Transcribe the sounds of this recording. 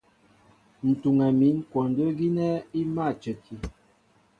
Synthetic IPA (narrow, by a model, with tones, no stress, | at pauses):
n̩˨tu˨ŋɛ˨mi˨˦nkwɔ˨ndə˦ɡi˦nɛ˦i˦ma˦˨t͡ʃə˨kʰi˨